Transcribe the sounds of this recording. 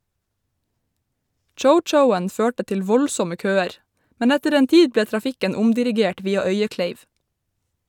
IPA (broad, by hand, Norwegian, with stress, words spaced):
ˈt͡ʃəʊˌt͡ʃəʊən ˈføːʈə ˈtɪl ˈʋɔlsɔmə ˈkøːəɾ ˈmɛn ˈɛtəɾ ˈeːn ˈtiːd ˈbleː tɾɑˈfɪkən ˈʊmdɪɾɪˌɡeːʈ ˈʋiːɑ ˈœʏəˌkleɪʋ